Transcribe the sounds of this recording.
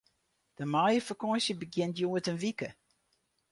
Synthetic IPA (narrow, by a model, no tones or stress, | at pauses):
d̥əmajəfəkɔjsjəbəɡjɪntjuːətənʋikə